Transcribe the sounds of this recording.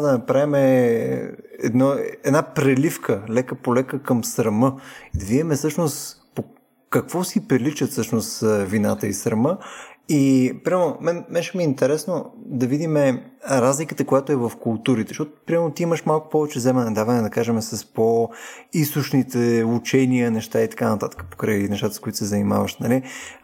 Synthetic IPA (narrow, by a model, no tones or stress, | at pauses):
d̪ɐnɐpɾavimɛ | ɛ̰d̪nɔɛd̪napɾɛlifkəlɛkəpolɛkəkəmsɾɐmɤid̪ɐvid̪imɛsɤʃnost̪po | kɐkvɔsipɾɛlit͡ʃət̪sɤʃnost̪vinat̪əisɾɐməipɾʲimɛlnomɛnmɛʃɛmiint̪ɛɾɛsnod̪ɐvid̪imɛɾazlikət̪əkojat̪oɛvɐfkʊlˠt̪uɾit̪ɛʃt̪ɔt̪ʊ̥pɾʲiamɛlnot̪iiməʃmalˠkʊ̥pɔvɛt͡ʃɛzɛmɛnɛd̪avɐnɛd̪ɐkaʒɛmɛsəspoist̪ʊʃnit̪ɛut͡ʃɛniənɛʃt̪ait̪ɐ̥kanət̪at̪ə̥kə̥po̥kɾəjnɛʃt̪at̪əskoit̪o̥sɛzɐnima̰vəʃt̪nɐli